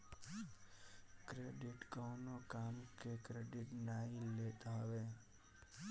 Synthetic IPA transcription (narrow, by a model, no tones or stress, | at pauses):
kɾeːɖɪʈkəːnokaːmkekɾeːɖɪʈnaːileːt̪aɦʋeː